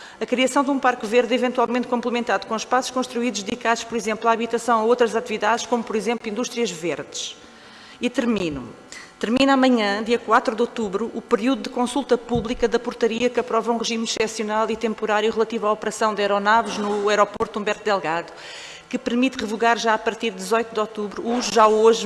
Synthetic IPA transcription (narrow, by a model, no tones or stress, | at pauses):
ɐkɾiɐsɐ̃w̃d̪ũpaɾkveɾðivẽnt̪walˠmẽnt̪̚kõmplˠɨmẽnt̪aðukõʃpasu̥ʃkõʃt̪ɾuiðuʒd̪ðikaðuʃpɔɾizẽmplˠaːβit̪ɐsɐ̃w̃ɐowt̪ɾɐzat̪iviðaðʃkomupɔɾizẽmplˠĩnd̪uʃt̪ɾijɐʒveɾðɨʃ | it̪ɨɾminu | t̪ɨɾminamɐɲɐ̃d̪iɐkwat̪ɾuðot̪uβɾuʔːpɨɾiuðuðɨkõsulˠt̪ɐpuβlˠikɐðɐpuɾt̪ɐɾiɐkɐpɾɔvɐũʁɨʒimʃt̪ɛsjunalˠit̪ẽmpuɾaɾjuʁɨlˠɐt̪ivaɔpɨɾɐsɐ̃w̃d̪ɛɾɔnavuʒnuɛɾɔpoɾt̪ũmbɛɾt̪ud̪ɛlˠɣaðu | kɨpɨɾmit̪ʁɨvuɣaɾʒaɐpɐɾt̪iɾd̪ɨzɔjt̪ud̪ɔt̪uβɾuuʒʒaoʒ